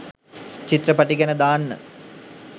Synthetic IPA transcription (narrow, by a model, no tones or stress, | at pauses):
t͡ɕit̪rɐpɐʈiɡɐnəd̪aːnːə̰